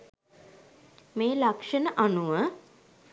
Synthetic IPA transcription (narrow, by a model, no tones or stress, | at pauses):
meːlakʂənəʔanuʋə